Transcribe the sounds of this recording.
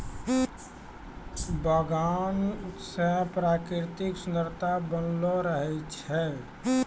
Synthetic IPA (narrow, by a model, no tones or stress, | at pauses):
bəɡanut̪sə̃pɾakɾɪɾt̪ɪksund̪əɾt̪abənloɾəɦɛt͡ʃʰɛ